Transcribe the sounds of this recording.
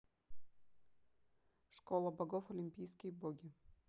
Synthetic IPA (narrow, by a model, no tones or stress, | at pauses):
ʂkolˠəbɐɡofolʲimʲpʲijskʲijboɡʲi